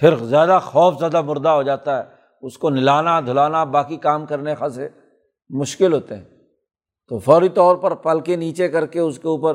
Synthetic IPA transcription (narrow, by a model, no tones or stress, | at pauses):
fʰɪɾzjaːd̪axɔːfzjaːd̪amʊɾd̪aɦod͡ʒaːt̪aɦɛː | ʊskonɪlaːnad̪ʱʊlaːnabaːkikaːmkɐɾnexase | mʊʃkɪlɦoːt̪eɦɛ̰̃ː | t̪oːfɔːɾit̪ɔːɾpɐɾpɐlkeniːt͡ʃekɐɾkeʊskeuːpəɾ